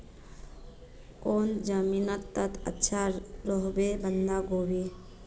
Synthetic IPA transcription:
koːnd͡ʒəminət̪ːət̪ʰə̰tːʃʰaɾoɦbebənd̪aɡobi

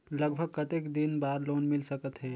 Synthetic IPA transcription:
ləɡbʱəɡ̚kət̪ekd̪inbaːɾloːnmɪlsəkət̪ɦɛː

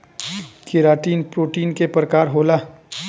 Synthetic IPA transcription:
kʰɪɾaːʈiːnpɾoːʈiːnkepɾəkaːɾɦoːlaː

